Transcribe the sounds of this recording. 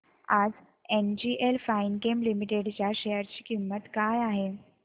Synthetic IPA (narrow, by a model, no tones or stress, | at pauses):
ad͡z | end͡ʑiʔelfainkemlimiʈeɽt͡ɕjaɕejəɾt͡ɕiːkimːət̪kajaɦe